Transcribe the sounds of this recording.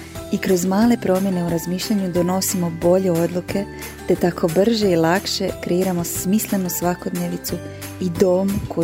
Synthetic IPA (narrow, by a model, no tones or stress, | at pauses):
ikɾo̞zmaːle̞pɾo̞mje̞ne̞uɾazmiːʃʎaɲud̪o̞no̞simo̞bo̞ʎe̞o̞d̪lˠukʰe̞ | t̪et̪ako̞br̩ʒeilˠakʃe̞kɾe̞iɾamo̞smislˠe̞nusʋako̞d̪neʋit̪su | id̪o̞ːmkʰo